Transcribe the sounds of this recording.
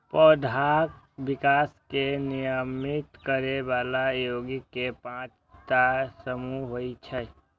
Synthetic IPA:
pɔːd̪ʱak | bɪkaːskenijəmɪt̪kəɾeʋaːlajoːɡikepãːt͡ʃ | t̪asəmuɦoit͡ʃʰɛ

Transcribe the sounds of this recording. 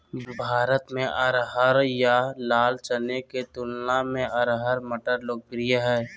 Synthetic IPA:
bʱaːɾət̪mẽʔəɾɦəɾjalaːlt͡ʃəneket̪ʊlnamẽʔəɾɦəɾməʈəɾloːk̚pɾijəɦɛː

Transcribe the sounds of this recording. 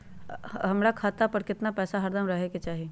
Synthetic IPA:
ɦɐmɾakʰaːt̪apɐɾkɪt̪napɛːsaɦɐɾd̪əmɾɐɦeket͡ʃaːɦie

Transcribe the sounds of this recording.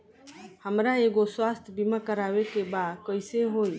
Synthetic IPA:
həmɾaeɡoswast̪ʰbimakəɾawekebad̪kəɪseɦoj

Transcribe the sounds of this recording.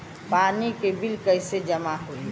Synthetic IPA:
paːnikebɪlkəɪsed͡ʒɐmaɦoi

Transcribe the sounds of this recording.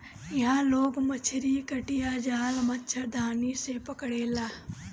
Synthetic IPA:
ɪɦãːloːɡmət͡ʃʰɪɾikəʈijaːd͡ʒaːlmɐtːt͡ʃʰəd̪ʱaːniːsepɐkɽeːlaː

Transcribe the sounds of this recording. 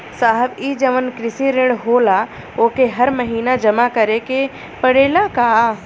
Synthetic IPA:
saːɦəbid͡ʒəʋənkɾɪsiɾɪ̃ɳɖɦoːla | oːkeɦɐɾməɦiːnad͡ʒɐmakɐɾeke | pəɽeːlaka

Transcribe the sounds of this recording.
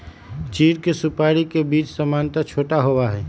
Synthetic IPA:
t͡ʃiːɽkesupaːɽikebiːt͡ʃsəmaːnt̪ət͡ʃʰoːʈaɦowaɦɛː

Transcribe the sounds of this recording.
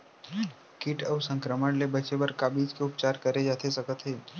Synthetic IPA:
kɪʈəʊsə̃ŋkɾəməɳlebɐt͡ʃebəɾkaːbiːd͡ʒkeʊp̚t͡ʃaːɾkəɾed͡ʒaːt̪ʰesɐkət̪ɦeː

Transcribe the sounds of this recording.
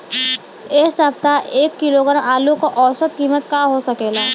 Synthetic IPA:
eːsəb̚t̪aʔeːkːɪloːɡəɾmʔaːlukoʔɔːsət̪kiːmət̪kaɦosɐkeːɡaː

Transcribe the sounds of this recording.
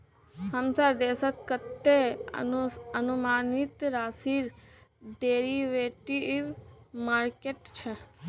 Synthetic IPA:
həmsaɾd̪esət̪kət̪ːe | ənumanit̪ɾasiɾɖeɾiʋeʈiʋmaːɾkeʈt͡ʃʰe

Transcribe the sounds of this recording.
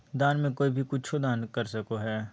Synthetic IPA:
d̪aːnmẽkoːibʱikʊt͡ʃʰod̪aːnkɐɾsɐkoɦɛː

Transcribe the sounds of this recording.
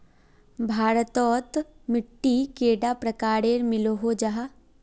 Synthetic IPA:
bʱaːɾət̪ɔːt̪mɪʈːikeːɖapɾɐkaːɾeɾmɪloɦod͡ʒaɦa

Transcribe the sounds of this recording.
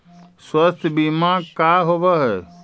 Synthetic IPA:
swəst̪ʰbimãkaːɦoʋəɦɛ

